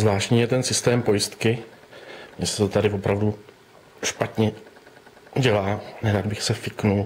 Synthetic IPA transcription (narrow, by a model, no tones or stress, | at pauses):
zvlaːʃcɲiːjɛt̪ɛnsɪst̪ɛːmpo̞jɪst̪kɪ | mɲɛsɛ̥t̪ot̪adɪvopɾavdu | ʃpat̪ɲɛ | ɟɛlaːnɛɾaːd̪̚bɪxsɛfɪknul